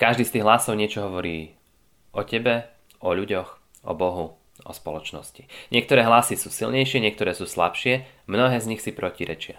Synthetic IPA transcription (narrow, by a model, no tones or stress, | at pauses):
kaʒd̪iːst̪iːɣɦlasɔʊɲɪɛt͡ʃɔɦɔʋɔɾiː | ʔɔcɛbɛ | ɔʎuɟɔx | ʔɔ̰bɔɦu | ʔɔspɔlɔt͡ʃnɔ̰sci̥ɲɪɛk̚t̪ɔɾɛːɦlasisuːsilɲɛjʃɪɛɲɪɛk̚t̪ɔɾɛːsuːsla̰pʃɪɛ | mnɔɦɛːzɲixsipɾɔciɾɛ̰t͡ʃɪa